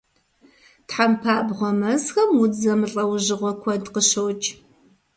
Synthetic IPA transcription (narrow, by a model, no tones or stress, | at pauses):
tħampʰaːbʁʷɔmɐzxɐmwʊd͡zɐmɨɬʼɐwʑɨʁʷɔkʷʰɔdqəɕɐwt͡ʃʼ